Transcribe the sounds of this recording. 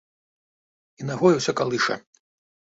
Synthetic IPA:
inaɣɔjɐwsʲɐkalˠɨʂɐ̰

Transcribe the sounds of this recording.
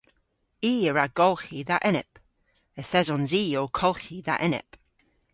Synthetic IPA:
iːəɹaɡ̥ɔlˠxiðaʔɪnɪ̰p | əθɛzɔnziːoːkʰɔlˠxiða̰ʔɪnɪ̰p

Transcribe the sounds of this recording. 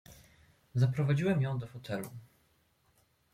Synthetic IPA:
zapɾɔvad͡ʑiwɛmjɔ̃w̃d̪ɔfɔt̪ʰɛlṵ

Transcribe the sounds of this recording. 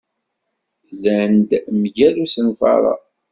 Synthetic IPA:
lænd̪mʝælusənfɑ̰ɾˤɑ̰

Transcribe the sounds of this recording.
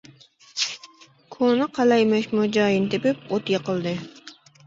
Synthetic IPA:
kʰonɨqʰɑlɑjmɑʃmʊd͡ʒɑːjɪnt̪epɪp̚ot̪jɑqəlˠd̪ɨ

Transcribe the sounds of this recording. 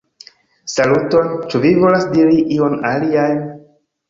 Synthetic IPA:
saluto̞nt͡ʃuvivo̞lasdiɾiʔio̞naliajn

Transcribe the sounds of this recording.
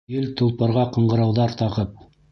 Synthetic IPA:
jɘlt̪ŏlˠpɑ̆ɾʁɑqɤ̆ɴɢɤ̆ɾɑwðɑɾt̪ɑʁɤp̚

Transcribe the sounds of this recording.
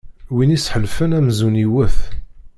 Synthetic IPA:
winisħəlfənæmzuniwəθ

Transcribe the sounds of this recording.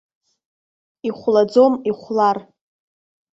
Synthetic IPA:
iχʷlad͡zomiχʷlar

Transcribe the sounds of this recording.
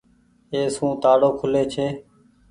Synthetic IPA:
eːsũːt̪aːɽoːkʰʊleːt͡ʃʰeː

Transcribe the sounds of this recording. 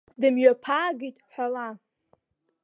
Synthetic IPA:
dɨmɥapʰaːɡitʼħʷᶣala

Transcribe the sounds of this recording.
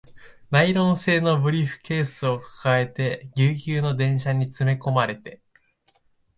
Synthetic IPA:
naiɾõ̞ɰ̃se̞ːno̞bɯ̟ɾʲiɸɯ̟̥ke̞ːsɨo̞kḁkae̞t̪e̞ɡʲɨːkʲɨːno̞d̪ẽ̞ɰ̃ɕaɲ̟it͡sɨme̞ko̞maɾe̞t̪e̞

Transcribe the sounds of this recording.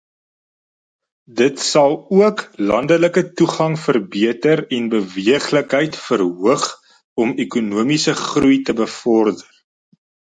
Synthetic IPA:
dətsɐlˠuəklɐndələkətuχɐŋfərbiətəɾɛnbəviəχləkɦəjtfərɦuəχ | ɔmekunuəmisəχrujtəbəfɔrdər

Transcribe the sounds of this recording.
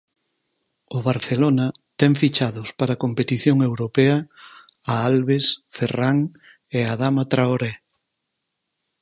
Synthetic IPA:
ʊβaɾθelonɐt̪ɛŋfit͡ʃaðʊspaɾakompet̪iθjoŋewɾopeɐ | aalβesferaŋ | eaðamat̪ɾaoɾe

